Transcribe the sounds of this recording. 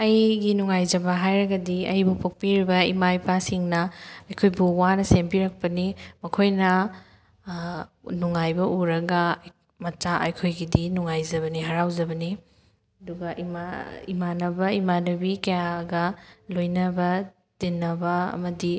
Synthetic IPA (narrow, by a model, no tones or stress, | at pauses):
ɐjɡinuŋajzɐbɐɦajɾɐɡɐdiɐjbupʰok̚piɾibɐimajpʰasiŋnɐɐjkʰojbuwanɐsempiɾɐk̚pɐnimɐkʰojnɐ | nuŋajbɐʔuɾɐɡɐ | mɐt͡ʃaʔɐjkʰojɡidinuŋajzɐbɐniɦɐɾawd͡ʒɐbɐni | ɐduɡɐʔimaḭmanɐbɐimanɐbikɐjaɡɐlojnɐbɐ | tinːɐbɐɐ̰mɐdi